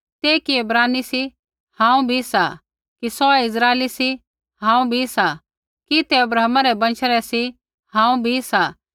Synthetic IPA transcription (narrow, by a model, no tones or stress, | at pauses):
t̪eːkiɐbɾaːnisi | hãːũbʱisa | kisɔɛɪzɾaːelisi | hãːũbʱisa | kit̪ɛɐbɾaːmaɾɛbɐ̃nt͡ʃʰəɾɛsi | hãːũbʱisa